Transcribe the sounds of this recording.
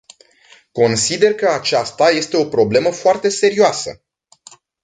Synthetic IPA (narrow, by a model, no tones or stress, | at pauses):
ko̞nsid̪e̞rkəat͡ʃast̪aje̞st̪e̞o̞pɾo̞ble̞məfoart̪e̞se̞ɾioasə̰